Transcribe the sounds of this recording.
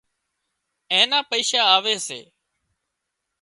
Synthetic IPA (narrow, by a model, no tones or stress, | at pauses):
ẽːnãːpəiːʃaːaːʋeːsḛː